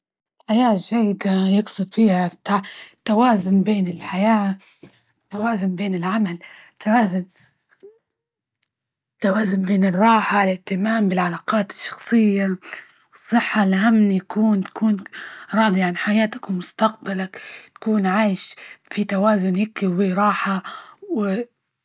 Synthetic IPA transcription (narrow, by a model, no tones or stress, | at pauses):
ɪlħajaːʒːajːɪd̪ajɪɡsˤʊd̪fiːhat̪ːat̪ːawaːzʊnbeːnɪlħajaː | t̪ːawaːzʊnbeːnɪlʕamalɪt̪ːawaːzʊn | t̪ːawaːzʊnbeːnɪrˤːɑːħalɪʔt̪ɪmaːmbɪlʕalaːqɑːt̪ɪ̥ʃːɑ̥xsˤɨjːa | wɨsˤːɨħːalhamnjakuːnt̪ḁkuːnɾˤɑːd̪ˤiʕanħajaːt̪ḁkmʊst̪aq̚balakt̪ḁkuːnʕaːjɪʃfit̪awaːzʊnhɪkɪwiɾˤɑːħawɪ